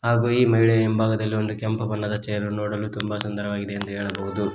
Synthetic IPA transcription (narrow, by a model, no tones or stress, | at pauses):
ɦaːɡuːiːmɐjiɭɛembʱaːɡɐd̪ɐlːio̞nd̪ukɛmpɐbɐnːɐd̪ɐt͡ʃɛjɐɾunoːɽɐlut̪umbɐsɐnd̪ʱɐɾɐʋaːɡid̪e̞ːnt̪uɦɛːɭɐbɐɦud̪u